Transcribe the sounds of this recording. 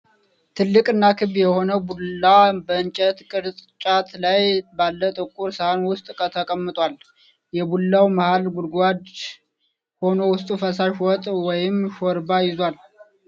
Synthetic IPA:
t̪ʰɨlːɨkʼɨnːakʰɨβjɛho̞nəwbulːabəɨnt͡ʃʼɛt̪kʼɨɾt͡s̪ʼt͡ʃʼat̪lajbalːət̪ʼɨkʼːuɾsəhanwʊst̪ʼkʼət̪ʰəkʼəmːɨt̪ʼwal | jɛbulːawmahalɡulɡʷad̪ | ho̞no̞wʊst̪ʼufəsaʃwɔt̪ʼwɔjɪmʃɔɾbajɪzwal

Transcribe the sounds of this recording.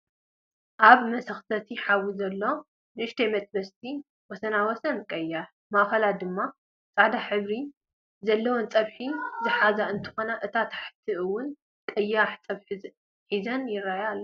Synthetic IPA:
ʔaβmɐsɐxt̪ʰɐt̪ʰiħawizɐlːo̞ | ɨʃt̪ʰemɐt̪ʼbɐst̪ʰi | wɔsɐnawɔsɐnkʼɐjːaħ | maʔxɐlad̪ɨmːa | t͡sʼaʕd̪aħɨβɾi | zɐlːɐwont͡sʼɐβħizɨħazaɨnt̪ʰɨ̥xo̞naʔɨt̪ʰat̪ʰḁħt̪ʰɨʔɨwːʊn | kʼɐjːaħt͡sʼɐβħ | ħizɐnjɪɾajalːɐ

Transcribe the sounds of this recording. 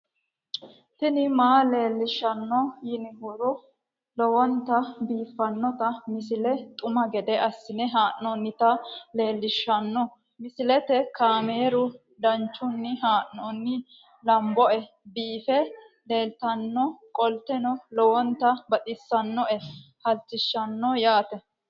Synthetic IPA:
t̪ɪnɪmaːle̞ːlːɪʃːɐnːɔjɪnɪhʊɾʊ | lɔwɔnt̪ɐbiːfːɐnːɔt̪ɐmɪsɪlɛt̪ʼʊmɐɡɛd̪ɛʔɐsːɪnɛɦaːʔːɔnːɪt̪ɐle̞ːlːɪʃːɐnːɔ | mɪsɪlɛt̪ɛkaːme̞ːɾʊ | d̪ɐnt͡ʃːʊnːɪɦaːʔːɔnːɪ | lɐmbɔʔɛ | biːfɛ | le̞ːlt̪ɐnːɔkʼɔlt̪ɛnɔlɔwɔnt̪ɐbɐt̪ʼɪsːɐnːɔʔɛ | hɐltːɪʃːɐnːɔjaːt̪ɛ

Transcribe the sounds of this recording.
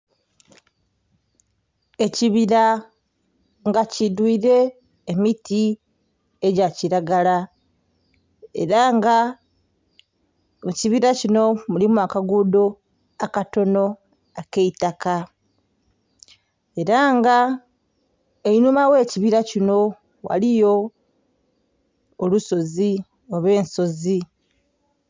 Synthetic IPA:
e̞ciβiɾa | ŋɡacidwiːɾe̞ː | miti | eɟaciɾaɡala | e̞̰ɾaŋɡa | ciβiɾacino̞mulimwakaɡudo | akato̞no̞ | akeitaka | e̞ɾaŋɡa | einumawe̞ːciβiɾacino̞ | wa̰lijo̞ | luso̞zi | o̞βwe̞ːnso̞zi

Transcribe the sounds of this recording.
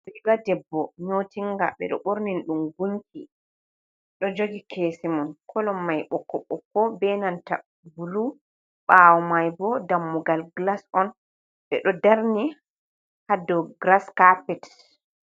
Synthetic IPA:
iɡadɛbːɔɲotiŋɡa̰ɓɛ̰ɗɔ̰ɓoɾninɗumɡunki | ɗɔd͡ʒoɡikʰesimɔnkʰɔlɔmːajɓɔkːɔɓɔkːɔbɛnanta̰ | bulu | ɓawɔmajbɔdamːuɡalɡlasɔn | ɓɛ̰ɗɔdaɾni | hadɔɡɾaskapɛt

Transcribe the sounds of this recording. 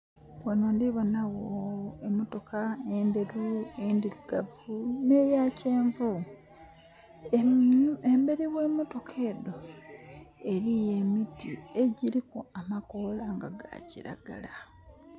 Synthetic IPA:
wanondiβonawoemoto̞kaendeɾuendiɾuɡ̥avunejace̞ːɱvu | embe̞ɾiwe̞moto̞kʰeːdo̞ | e̞ɾije̞mitie̞ɟiɾikoamakolaŋɡaɡa̰ciɾa̰ɡ̥a̰la

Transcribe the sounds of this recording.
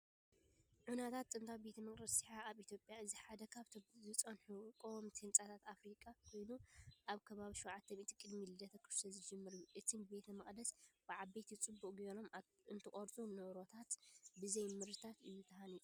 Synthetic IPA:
ʕunat̪ʰat̪ʼːɨnt̪ʰawbe̞t̪ʰɐmɐχʼd̪ɐsiħaaβit̪ʰjo̞pʼjaɨziħad̪ɐkʰaβʰzɨt͡sʼɐnħukʼomt̪ʰɨnt͡sʼat̪ʰat̪afɾikʼakʰo̞jnuʔaβkʰɐβaβiʃowʕat̪ʰːɐmit̪i̥kʼɨd̪milɨd̪ɐt̪ʰɐkʰɨ̥ɾsɐzɨd͡ʒɨmːɨɾɨjːuʔɨt̪ʰɨnbe̞t̪ʰɐmɐχʼd̪ɐsb̥ɨʕabet̪jɪt͡sʼɨbːukʼɡeɾo̞m | ɨnt̪ʰɨkʼoɾt͡sʼunɨʔɾo̞t̪ʰat̪bɨzejmɨɾɨt̪ʰat̪ɨjːut̪ʰɐhanit̪ʼ

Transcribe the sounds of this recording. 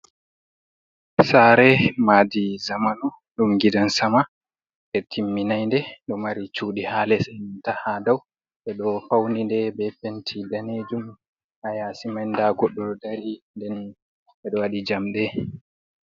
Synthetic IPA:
saɾɛmaːdizamanu | ɗumɡidansama | ʔɛtʰimːinajndɛɗɔmaɾit͡ʃuːɗihaːlɛsɛntahadaw | ʔɛɗɔfawnindɛbɛpentʰidaned͡ʒum | hajasimajndaɡɔɗːɔdaɾindɛn | ɛɗɔwaɗid͡ʒamɗɛ

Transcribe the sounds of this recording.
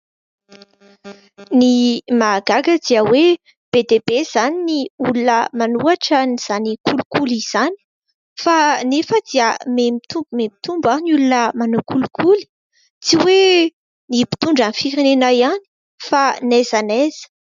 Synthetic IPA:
nimaɡaɡəd̪̥iəwe | b̥ed̪eb̥ez̥aniniulunəmanuaʈ͡ʂəniz̥anikʰulukuliz̥ani̥ | fanefəd̪iəmemit̪uumemit̪umbanulunəmanukulukʰuli̥ | t͡siwe | nipi̥t̪uɳɖ͡ʐanifiɾenenajani̥ | fanezənez̥ə̥

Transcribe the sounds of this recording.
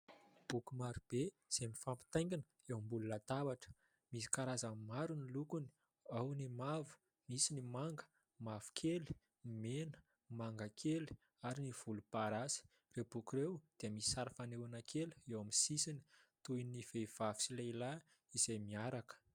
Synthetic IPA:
b̥ukumaɾub̥e | z̥emifampi̥t̪aj̃ŋɡʲinə | ewambulunat̪avaʈ͡ʂə̥ | misi̥kaɾazamimaɾunilukuni̥ | awnimavu̥ | misinimaŋɡə̥ | mav̥u̥kʰeli | menə̥ | maŋɡakʰeli̥ | aɾiniv̥ulupaɾasi̥ | rewbukuɾewd̪̥iəmisi̥saɾafanewanakʰeluewamisisini̥t̪ujniv̥ev̥avi̥silaila | iz̥ejmiaɾakə̥

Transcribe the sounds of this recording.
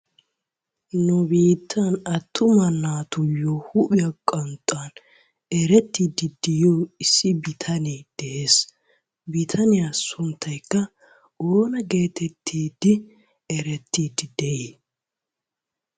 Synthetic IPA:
nʊbiːt̪ʰːɐnɐt̪ʰːʊmɐnːaːt̪ʊjoːhʊʔʊjɐkʼɔnt̪ʼːan | ɛɾɛt̪ːiːd̪ɪd̪ɪjoːɪsːɪbɪt̪ʰɐnid̪̥ɛʔeːs | bɪt̪ʰɐnɪjasʊnt̪ʰːɐjkːɐ | ʔoːnɐɡe̞ːt̪ɛt̪ʰːiːd̪ɪ | ɛɾɛt̪ʰːiːd̪ɪd̪ɛʔi

